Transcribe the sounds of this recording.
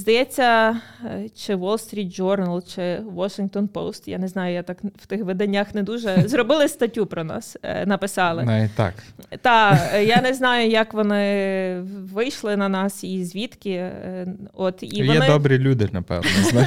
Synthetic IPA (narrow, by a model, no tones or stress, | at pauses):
zd̪ɐjɛt͡sʲːɐ | t͡ʃɪʋɔlˠst̪ɾʲit̪̚d͡ʒɔrnɐlˠt͡ʃɪʋɔʃɪŋk̚t̪ɔnpo̰wst̪ja̰nɛznɑjʊjat̪ɑkwt̪ɪxʋɛd̪ɐnʲːaxnɛd̪uʒɛzrɔbɪlˠɪst̪ɐtʲupɾɔnɑ̰snɐpɪsɑlˠɪt̪ɑ̰kt̪ɑjanɛznɑjʊjɐkʋɔnɪ | ʋɪjʃlˠɪnɐnɑsizʲʋʲit̪kʲɪ | ɔt̪ḭjʋɔnɛɪd̪ɔbɾilʲud̪ɪnɐpɛ̰ʋnɔ